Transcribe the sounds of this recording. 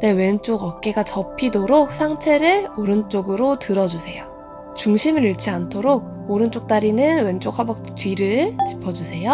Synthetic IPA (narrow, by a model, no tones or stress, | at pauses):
newe̞nt͡ɕ͈oɡʌk̚k͈e̞ɡat͡ɕʌpʰidoɾok̚sʰaŋt͡ɕʰe̞ɾɯɭoɾɯnt͡ɕ͈oɡɯɾotɯɾʌd͡ʑusʰe̞jo | t͡ɕuŋɕʰimɯɾiɭt͡ɕʰiantʰoɾok̚ | oɾɯnt͡ɕ͈ok̚t͈aɾinɯnwe̞nt͡ɕ͈ok̚habʌk̚t͈tɥiɾɯɭt͡ɕi̥pʰʌd͡ʑusʰe̞jo